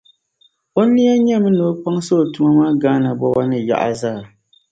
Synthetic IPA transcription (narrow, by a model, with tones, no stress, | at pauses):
o˦ni˦a˦ɲɛ˦mɨ˦no˨˦pa˦ŋso˦˨tu˦ma˦maː˦ɡaː˦na˨bɔ˦ba˦nɨ˨ja̰˦˨ʔa˨zaː˦˨